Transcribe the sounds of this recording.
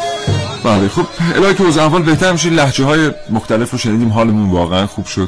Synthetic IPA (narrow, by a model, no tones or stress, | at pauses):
b̥æːlexob̥ḛlɒːheceozævːɒːlbe̞ht̪ʰæɾmiʃ̬einlæht͡ʃeɦɒːjemoxt̪ʰæle̞fɾoʃeniːd̪iːmɦɒːle̞munvɒːɣeænxuːb̥ʃod̪̥̚